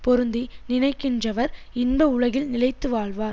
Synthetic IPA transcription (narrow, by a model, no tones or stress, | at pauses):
pɔɾɯnd̪inɪnɐɪkːɪndrɐʋɐɾɪnbɐʊɻɐɣɪlnɪlɐɪt̪ːɯʋaːɭʋaːɾ